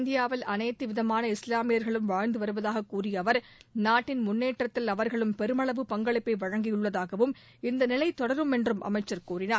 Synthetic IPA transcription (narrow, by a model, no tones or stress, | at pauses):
nd̪ɪjaːʋɪlɐnɐɪt̪ːɯʋɪðɐmaːnɐɪslaːmɪjɐɾɣɐɭɯmʋaːɻnd̪ɯʋɐɾɯʋɐðaːɣɐkːuːrɪjɐʋɐɾ | naːʈːɪnmʊnːeːʈrɐt̪ːɪlɐʋɐɾɣɐɭɯmpɛɾɯmɐɭɐʋɯpɐŋɡɐɭɪpːɐɪʋɐɻɐŋɡɪjɯɭːɐðaːɣɐʋɯm | ɪnd̪ɐnɪlɐɪt̪ːɔɽɐɾɯmɛndrɯmʔɐ̰mɐɪt͡ʃːɐɾkuːrɪnaː